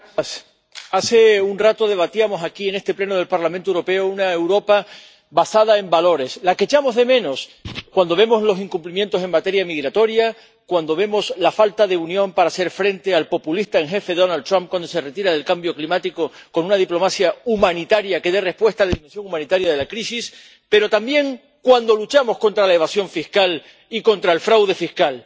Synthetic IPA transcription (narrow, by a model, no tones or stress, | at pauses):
s | ase̞unrat̪o̞ð̞e̞βat̪iamo̞sakie̞ne̞st̪e̞ple̞noð̞e̞lpaɾlamẽnt̪oewɾo̞pe̞ounaewɾo̞pa | basað̞ae̞mbalo̞ɾe̞slake̞t͡ʃamo̞zðe̞mẽ̞no̞skwand̪o̞β̞e̞mo̞slo̞siŋkumplimje̞nt̪ose̞ŋmat̪e̞ɾjamiɣɾat̪o̞ɾja | kwand̪o̞β̞e̞mo̞slafalt̪aðe̞unjõ̞mpaɾase̞ɾfɾe̞nt̪e̞alpo̞pulist̪aeŋxe̞fe̞ðo̞nalt̪ːɾamp̚kwand̪ose̞re̞t̪iɾaðe̞lkambjo̞klimat̪ikoko̞nũnað̞iplo̞masjaumãnit̪aɾjake̞ðere̞hpwe̞st̪alaðimensjo̞ŋumãnit̪aɾjaðe̞lakɾisis | pe̞ɾo̞t̪ambje̞ŋ | kwand̪o̞lut͡ʃamo̞sko̞nt̪ɾalae̞β̞asjo̞ɱfihkal | iko̞nt̪ɾaelfɾawðe̞fihkal